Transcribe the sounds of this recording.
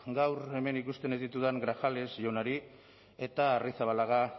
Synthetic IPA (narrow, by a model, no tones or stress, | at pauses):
ɡawɾe̞me̞nikust̪e̞nezðit̪uðaŋɡɾaxale̞sʝonaɾi | e̞t̪aːrisaβalaɣa